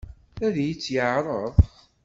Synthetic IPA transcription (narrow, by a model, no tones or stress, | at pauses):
æðjət͡sːjəʕɾˤəðˤ